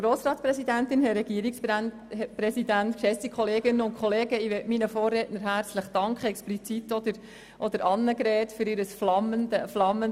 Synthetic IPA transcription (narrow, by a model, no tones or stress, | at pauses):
ɡ̥ɾoːsɾɑːtt͡sprɛsidæntɪnhɛɾɛɡ̥iəɾiksp | pɾɛsidæntkʃɛsikχɔleːɡɪnːənʊnkχɔleːɡəiʋɛtminəfoːrːɛtnəɾɦæɾt͡sləχd̥ɑŋkχəɛksplit͡sit̪ːɔd̪əɾ | ʔɔd̥̪əɾʔɑnːəkɾɛːtfʏɾɪɾəsflɑməndəflɑmːən